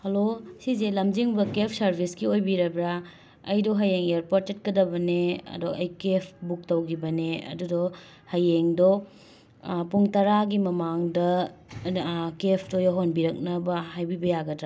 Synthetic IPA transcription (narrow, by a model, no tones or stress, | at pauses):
hɐlosizelɐmd͡ʒiŋbɐkepʰsɐɾbʱiskiojbiɾɐbɾa | ɐ̰jdɔɦɐjeŋeɾpoɾtet̚kɐdɐbɐneɐ̰duʔɐjkepʰbuk̚tɐwɡibɐneɐ̰dudɔ | hɐjeŋdɔ | puŋtɐɾaɡimɐmaŋdɐ | kepʰtojaɦonbiɾɐk̚nɐbɐhajbibɐjaɡɐdɾa